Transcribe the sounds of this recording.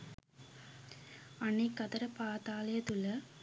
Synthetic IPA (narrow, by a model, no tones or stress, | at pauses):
ɐnːekːɐt̪ɐɾɐpaːt̪aːlɐjɐt̪ulɐ